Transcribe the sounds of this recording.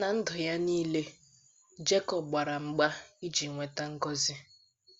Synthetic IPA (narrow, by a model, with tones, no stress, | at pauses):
na˨n̩˦dʊ˨ja˦niː˦le˦ | d͡ʒe˦kɔ˨p̚ɡ͡ba˨ɾa˨ŋ͡m̩˨ɡ͡ba˦i˦d͡ʒi˨ŋʷe˨ta˦ŋ̩˦ɡɔ˦zɪ˦